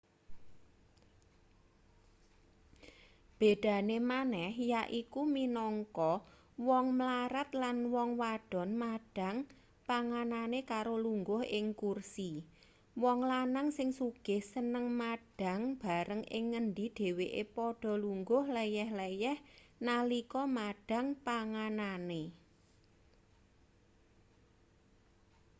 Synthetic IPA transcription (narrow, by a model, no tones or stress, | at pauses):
b̥ed̪̥a̤nemanɛhjaʔikuminɔŋkɔ | wɔŋmlaɾat̪̚lanwɔŋwaɖ̥ɔ̤nmaɖ̥ä̤ŋ | paŋananekaɾoluŋɡʊhʔɪŋkursi | wɔŋlanaŋsɪŋsuɡ̥ɪ̤hsənəŋmaɖ̥a̤ŋb̥a̤ɾəŋʔɪ̰ŋːənd̪iɖ̪̥e̤weʔḛpɔɖ̥ɔ̤luŋɡʊhlejɛhlejɛhnalikɔmaɖ̥a̤ŋpaŋanane